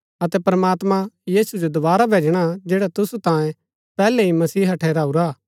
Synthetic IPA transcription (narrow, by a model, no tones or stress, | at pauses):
ɐt̪ɛpɐɾɐmaːt̪mãjiːsud͡ʒod̪ʊbaːɾabʱeːd͡ʒɽ̃ad͡ʒeːɽat̪ʊsut̪ãːjẽ | pɛːlɛimɐsiːɦɐʈʰɛːɾaːuɾaː